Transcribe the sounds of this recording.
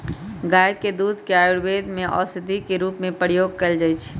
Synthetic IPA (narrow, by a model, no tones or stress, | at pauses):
ɡajd̪̚ked̪ud̪ʱkeajuɽbed̪meʔɔ̰sɪd̪ʱikeɾuːpmẽpəɾijoɡ̚kəld͡ʒajt͡ʃʰ